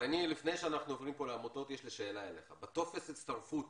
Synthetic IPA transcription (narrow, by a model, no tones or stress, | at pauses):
anilifne̞jʃeanaχnuovʁimpo̞leamot̪o̞t̪jeʃliʃeːlaele̞χabat̪o̞fesit̪st̪aʁfut̪